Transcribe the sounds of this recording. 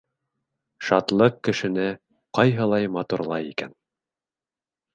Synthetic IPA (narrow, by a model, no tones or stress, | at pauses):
ʃɑt̪lˠɤqkːɘ̆ʃɘ̆nɘ | qɑjɦɤlˠɑjmɑt̪uɾlˠɑjikæ̰n